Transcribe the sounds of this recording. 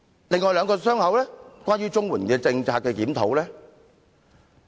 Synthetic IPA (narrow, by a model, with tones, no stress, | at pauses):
lɪ˨ŋːɔː˨˧jlœː˨˧ŋkɔː˧sœː˥ŋhɐ˨˥wlɛː˥kʷwʷaː˥njyː˥t͡sʊ˥ŋwuː˨˩nkɛː˧t͡sɪ˧ŋt͡saː˧k̚ːɛː˧kiː˨˥mt̪ʰo˨˥wlɛː˥